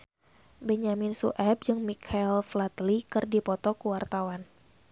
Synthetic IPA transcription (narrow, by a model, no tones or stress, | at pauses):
bɛɲaminsuʔɛp̚d͡ʒɨŋmikʰailflat̪likɨrdipɔt̪ɔkuwart̪awan